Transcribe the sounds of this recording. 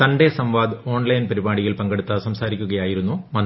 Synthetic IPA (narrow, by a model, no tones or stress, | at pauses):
t̪ɐɳɖesɐmʋaːd̪o̞ːɳlɐjnpɐɾibaːɽijilpɐŋɡeɽut̪ːɐsɐmsaːɾikʲːuɣɐjaːjiɾunːumɐn